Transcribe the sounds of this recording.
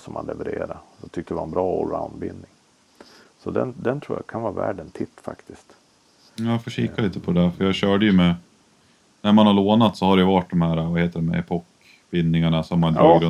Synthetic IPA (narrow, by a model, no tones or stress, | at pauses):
sɔma̰nlɛvɛɾeːɾad̪ɔt̪ʰʏk̚t̪əd̪ɛvaɛnbɾɑːɔɾa̰ʊnd̪bɪnd̪nɪŋ | sɔd̪ɛ̰nd̪ɛnt̪ʰɾuːjakʰanvɑːvæːɖənt̪ʰɪt̪ːfa̰kt̪ɪst̪ː | jafoːɕiːkaliːt̪əpʰɔd̪ɛd̪æɾfœjɑɕœːɖəjɵmɛ | næɾmanhaɭoːnat̪sɔhaɖɛjʉvaʈ̚d̪ɔmhæːɾavaheːt̪əɖɛmɛ̰ɛpʰɔk | bɪnd̪ːɪŋaɳasɔmːand̪ɑːɡɾɵ